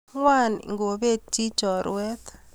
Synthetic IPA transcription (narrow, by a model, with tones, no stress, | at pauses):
ŋwa˦nḭ˨ŋɡo˨be˦˨t͡ʃi˦t͡ʃɔ˨ɾwɛ˦t̪